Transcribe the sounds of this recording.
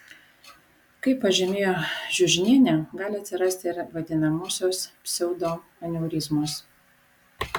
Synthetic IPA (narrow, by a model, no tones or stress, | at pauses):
kɐɪpːɐʒʲɛmʲeːjoːʒʲʊʒʲnʲiɛnʲɛɡɑːlʲɪɐt̪ʲsʲɪɾɐsʲt̪ʲɪɪɾʋɐd̪ʲɪnɐmoːsʲoːsʲsʲɛʊd̪oː | ɐnʲuʊɾʲɪzmoːs